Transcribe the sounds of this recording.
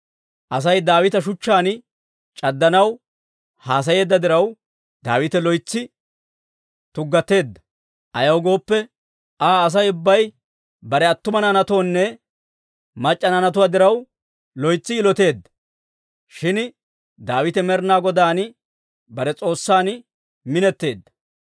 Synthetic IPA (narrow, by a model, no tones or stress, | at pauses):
ʔɐs̬ɐjd̪aːwɪt̪ɐʃ̬ʊt͡ʃːaːn | t͡ʃʼɐd̪ːɐnɐw | haːs̬ɐje̞ːd̪ːɐd̪ɪɾɐw | d̪a̰ːwɪt̪ɛlɔjt͡sːɪ | t̪ʊɡːɐt̪ːe̞ːd̪ːɐ̥ | ʔɐjɐwɡo̞ːpːɛ | aːs̬ɐjʊbːɐj | bɐɾɛɐt̪ːʊmɐnɐnɐt̪oːnːɛ | mɐt͡ʃʼːɐnɐnɐt̪̬ʊwaːd̪ɪɾɐw | lɔjt͡sːɪːlɔt̪e̞ːd̪ːɐ̥ | ʃɪn | d̪aːwɪt̪ɛmɛɾnaːɡɔd̪aːn | bɐɾɛt͡sʼo̞ːsːaːn | mɪnɛt̪ːe̞ːd̪ːɐ̥